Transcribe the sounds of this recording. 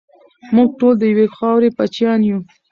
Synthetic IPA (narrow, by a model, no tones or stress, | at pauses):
muɡ̚ʈold̪əjwexɑwɾepat͡ʃjɑnju